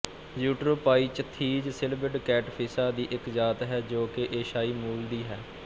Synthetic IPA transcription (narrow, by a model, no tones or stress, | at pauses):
zuːʈɾoːpaːiːt͡ʃət̪ʰːiːd͡ʒsɪlbɪɖkɛːʈpʰɪsaːd̪iːʔɪkzaːt̪ɦɛːd͡ʒoːkeʔeːʃaːiːmuːld̪iːɦɛː